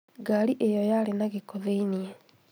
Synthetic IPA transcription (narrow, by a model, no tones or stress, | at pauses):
ɡaɾiʔejɔjalenaɣekoðeiniɛ